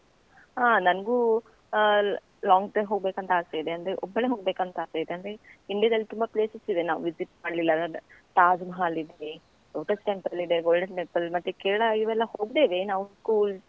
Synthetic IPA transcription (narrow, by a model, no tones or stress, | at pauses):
aːnɐnɡuː | laːŋɡʈɐɾmɦoːɡbe̞ːkɐnt̪ɐaːsejid̪eɐnd̪ɾeʔɔbːɐɭeɦoːɡbeːkɐnt̪ɐaːsejid̪eɐnd̪ɐɾeiɳɖijɐd̪ɐlːit̪umbɐpleːsɐsid̪enaːʋṵʋid͡ʒiʈmaːɽlilːɐʈ̪aːd͡ʒmɐɦaːlid̪ei | ɡoːʈɐsʈempɾɐlid̪eɡoːlɖɐnʈempːɐlmɐt̪ːekeːɾɐɭɐiʋɛlːɐhoːɡd̪e̞ːʋe̞naːʋuskuːls